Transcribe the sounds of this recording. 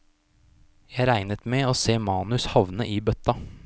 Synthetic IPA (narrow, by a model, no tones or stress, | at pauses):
jæɪɾæɪnət̪meːoːseːmɑːnʉshɑʋnəʔiːbœt̪ɑ